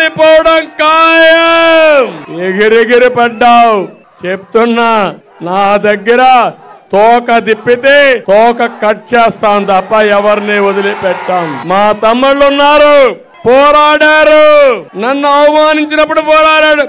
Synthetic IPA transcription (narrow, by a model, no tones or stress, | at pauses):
ɽipɔːwɐɽɐmkaːjɐmeɡiɾeɡiɾipɐɖːaːw | t͡ʃep̚t̪unːɐ | naːd̪ɐɡːɐɾɐt̪ɔːkɐd̪ipːit̪eːt̪ɔːkɐkɐʈ̚t͡ʃɛːst̪aːnt̪ɐpːɐɛʋɐɾniod̪ɐlipɛʈːaːnmaːt̪ɐmːuɭːunːaːɾu | pɔːɾaːɽaːɾunɐnːuɐʋɐmaːniɲt͡ʃinɐpːuɽupɔːɾaːɽaːɽu